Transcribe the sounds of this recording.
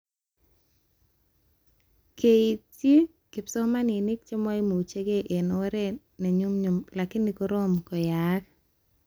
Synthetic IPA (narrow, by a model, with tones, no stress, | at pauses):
kʰe˨i˨tje˦ | kɪ˨psɔ˦ma˦nɪ˨nɪ˦k̚t͡ʃe˦mɔ˦i˦mo˨u˨t͡ʃe˦ɡe˦ʔe˨nɔ˨wɛ˦ɾe˦ | na˨ɲu˦mɲʊ˨mla˨kɪ˦ni˨ko˦ɾo˦mkɔ˨ja˨˦k